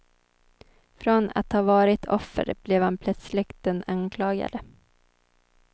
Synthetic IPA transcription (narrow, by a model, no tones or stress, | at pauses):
fɾona̰t̪hɑːvɑːɾɪt̪ʰɔfːə̰ɾb̥lɛvhanpʰlœt̪slɪkt̪ənaŋkʰlɑːɡa̰d̪ə